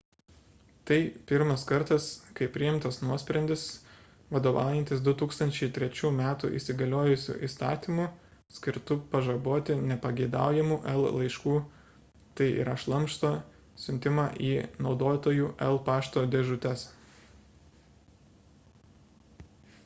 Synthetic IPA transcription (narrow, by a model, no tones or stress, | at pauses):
t̪ɐɪpʲɪɾmɐskɐɾt̪ɐskɐɪpʲɾʲɪɪmt̪ɐsnuɔsʲpʲɾʲɛnʲd̪ʲɪs | ʋɐd̪oːʋɑ̰ˑʊjɛnt̪ʲɪsd̪ʊt̪uːkst̪ɐnʲt͡ʃʲɛɪt̪ʲɾʲɛt͡ʃʲuːmʲæːt̪ṵʔḭːsʲɪɡɐlʲoːjʊsʲṵːʔḭːst̪ɑ̰ːt̪ʲimuː | sʲkʲɪɾt̪ʊpɐʒɐboːt̪ʲɪnʲɛpɐɡʲɛɪd̪ɑ̰ˑʊjɛmuːʔɛlˠlˠɐɪʃkuː | t̪ɐɪʔḭɾɐʃlˠɐmʃt̪oː | sʲʊnʲt̪ʲɪmɑːʔiːnɒʊd̪oːt̪oːjuːʔɛlˠpɑːʃt̪oːd̪ʲɛʒʊt̪ʲɛs